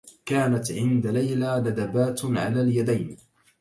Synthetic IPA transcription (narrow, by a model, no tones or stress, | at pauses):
kaːnat̪ʕɪnd̪alajlaːd̪ad̪abaːt̪ʕa̰laːljad̪ajn